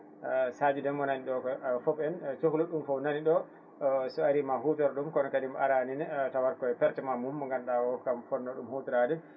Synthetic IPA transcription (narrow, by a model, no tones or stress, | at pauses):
sad͡ʒidɛnɔnaniɗɔkɔfɔbɛnt͡ʃohuluɗumfɔwnaniɗɔ | sɔaɾimaɦutɔɾɗumkɔnɔkadimʔaɾaninɛtawaɾkɔɛpɛɾtɛmamumːɔŋɡanɗawɔkamfɔnːɔɗumhutuɾadɛ